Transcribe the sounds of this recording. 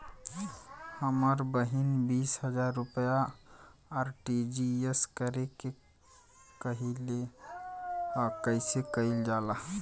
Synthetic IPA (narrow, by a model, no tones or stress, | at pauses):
həməɾbəɦinbisɦəd͡ʒaɾːupjaː | ɾʈid͡ʒieskəɾeke | kəɦile | kəɪsekəild͡ʒala